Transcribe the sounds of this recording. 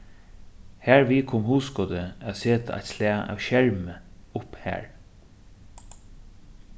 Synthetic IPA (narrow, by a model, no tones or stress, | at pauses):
hæːɹvikʰoːmhuːskɔd̪əæðseːt̪a̰ʔa̰jt̪slæːa̰ːwʃɛɹməʊphæ̰ːɹ